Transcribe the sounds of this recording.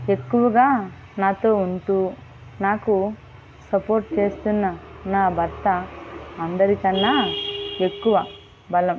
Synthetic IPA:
e̞kːuʋɐɡaː | naːt̪oːunt̪u | naːku | sɐpoːɾʈt͡ʃe̞ːst̪unːɐ | naːbʱɐɾt̪ɐɐnd̪ɐɾit̪ɐnːɐe̞kːuʋɐ | bɐlɐm

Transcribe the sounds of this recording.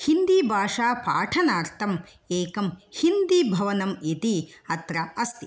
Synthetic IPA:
hind̪ibʱaːʂaːpa̰ːʈʰɐnaːɾt̪ʰɐm | eːkɐmhind̪ibʱɐʋɐnɐmit̪iɐt̪ɾɐɐst̪i

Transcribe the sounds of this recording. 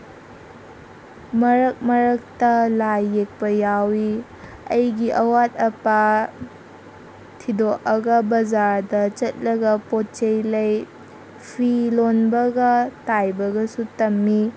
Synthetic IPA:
mɐɾɐk̚mɐɾɐk̚tɐlajːek̚pɐjawi | ɐjɡiʔɐwat̚ɐpa | tʰidoʔɐɡɐbɐzaɾdɐt͡ʃɐt̚lɐɡɐpot̚t͡ʃejlɐj | pʰilonbɐɡɐtajbɐɡɐsutɐmːi

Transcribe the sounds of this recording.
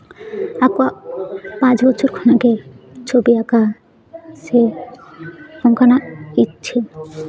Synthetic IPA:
akwapãt͡ɕbɔt͡ɕʰoɾkʰɔnaket͡ɕʰobiaka | ʃe | hɔŋkʰanaitt͡ɕʰi

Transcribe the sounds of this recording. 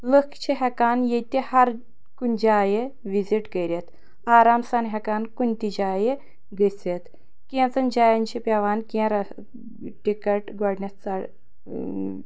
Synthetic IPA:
ləkʰt͡ʃʰiɦɛkaːnjet̪ihɐɾ | kunʲd͡ʒaːje | ʋiziʈkɐjɾʲet̪ | aːɾaːmsanɦɛkaːnkunʲt̪id͡ʒaːje | ɡəset̪ | kĩt͡sɐnd͡ʒaːjant͡ʃʰipʲaʋaːnkɛ̃ɾɐ | ʈikɐʈɡɔɽnʲɐt͡saɽ

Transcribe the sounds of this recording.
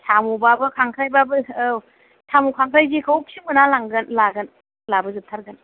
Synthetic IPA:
tʰamubabɯkʰaŋkʰɾajbabɯ | tʰamukʰaŋkʰɾajɡikʰawk̚siŋbɯnalaŋɡɯnlaɡɯn | labɯzɯp̚tʰaɾɡɯn

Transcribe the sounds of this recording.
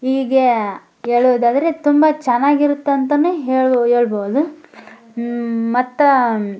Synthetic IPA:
ɦiːɡe | eːɭuʋd̪aːd̪ɐɾet̪umbɐt͡ʃɛnːaːɡiɾut̪ːeɐnt̪ɐnːuɦeːɭɦeːɭboʋd̪u | mɐt̪ːɐ

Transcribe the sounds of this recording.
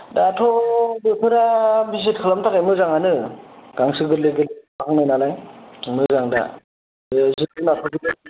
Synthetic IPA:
datʰɔbɯpʰɯɾabis̬it̚kʰɯlamtʰakajmɯzaŋanɯɡ̥aŋsɯɡɯtleɡɯdbakʰaŋnajnalajmɯzaŋda̰ | zɯɯnatʰɔɡɯdɯ

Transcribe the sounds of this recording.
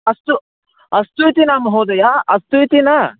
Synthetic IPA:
ɐst̪u | ɐst̪uit̪inaːmɐɦoːd̪ɐjaɐst̪uit̪ina

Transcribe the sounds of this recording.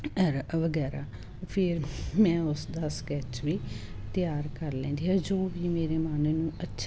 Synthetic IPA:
əɾʋəɡɛːɾaː | pʰɪɾmɛ̃ːʊsd̪aːskɛːt͡ʃʋiːt̪ɪjaːɾkəɾlɛ̃ːnd̪iːɦad͡ʒoːʋiːmeːɾeːmaːneːnũːətːʃʰ

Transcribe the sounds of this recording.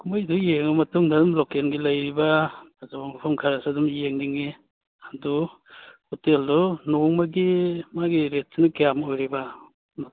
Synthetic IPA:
kʰumajdujeŋɐmɐtuŋdadumlokenɡilɐjɾibɐazabamɐpʰɐmkʰaɾasadumjeŋniŋi | adu | hoteldɔnoŋmɐɡimaɡiɾet̚sinɐkijamojɾibɐ | n

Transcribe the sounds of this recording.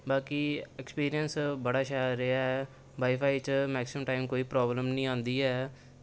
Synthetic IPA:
baːkiɛkspiːɾijənsbəɽaːʃaːɾːeaɛː | baːipʰaːit͡ʃmɛːksɪəmʈaːɪmkoːiːpɾaːbləmnĩːãːnd̪iːɦɛː

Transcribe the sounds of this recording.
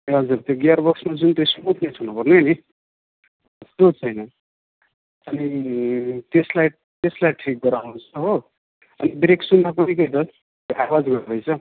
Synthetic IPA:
ɦʌd͡zurt̪joɡiarbʌksmad͡zunt̪osmut̪ʰnet͡sʰunupʌrneni | ʌst̪ot͡sʰʌjnʌ | ʌni | t̪eslaj | t̪eslajʈʰik̚ɡʌɾawnut͡sʰʌɦo | ʌ̰nibɾeksunːapʌnikʌjt̪ʌ | t̪joʔawad͡zɡʌɾbʌjt͡sʰʌ

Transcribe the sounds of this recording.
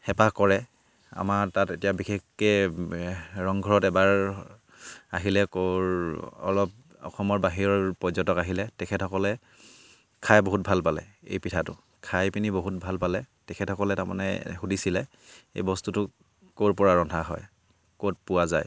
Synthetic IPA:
xɛpakɔɹɛ | a̰matatetijabixekkɛ | ɹɔŋɡʱɔɹɔtɛbaɹ | a̰ɦilɛkoɹɔ̰lɔp̚ | ɔ̰xɔmɔɹbaɦiɹɔɹpɔzɔtɔkaɦilɛtɛkʰɛthɔkɔlɛ | kʰajboɦut̚bʱalpalɛ̰ḛjpitʰatʊ̰ | kʰajpiniboɦut̚bʱalpalɛtɛkʰɛthɔkɔlɛtaɹma̰nɛ̰xudisilɛ | ḛjbɔstutʊ | koɹpɔɹaɹɔndʱaɦɔ̰j | kot̚pʊwazaj

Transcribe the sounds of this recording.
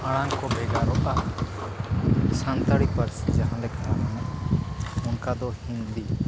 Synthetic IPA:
aɽ̃aŋkɔbɛɡaɾɔʔa | sant̪aɽipaɾsɛd͡ʒaɦãlɛkanamana | ɔnkad̪ɔhĩnd̪i

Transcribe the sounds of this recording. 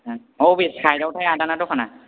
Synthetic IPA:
owbiskʰajdawtʰajadanatɔkʰana

